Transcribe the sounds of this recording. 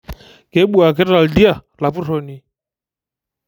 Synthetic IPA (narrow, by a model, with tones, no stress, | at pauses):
kɛ˨˦ɓu˦a˨k̬ɛ˦ta˨ldi˦a˦˨ | la˨pu˦ɾɔ˨ni˨